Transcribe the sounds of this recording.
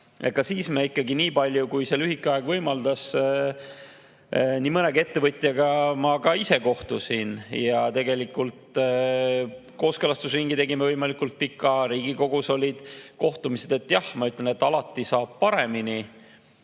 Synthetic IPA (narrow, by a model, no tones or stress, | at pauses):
ekɑsiːsmeikːˑɑɡiniːpɑlʲjukujselyɦikːˑeɑe̞ɡ̥vɤjmɑld̪ɑs | niːmɤneɡe̞t̪ːe̞vɤt̪ʲːˑjɑɡɑmɑkɑise̞ko̞ht̪usinjɑt̪e̞ɡe̞likult̪ | ko̞ːskelɑst̪usriŋɡ̥it̪e̞ɡimevɤjmɑlikult̪̚pikːˑɑɾiːɡ̥iko̞ɡuso̞lʲid̪̥ko̞ht̪umise̞d̪̥e̞t̪ːˑjɑhmɑyt̪lene̞t̪ːɑlɑt̪ːˑisɑːb̥̚pɑɾe̞mini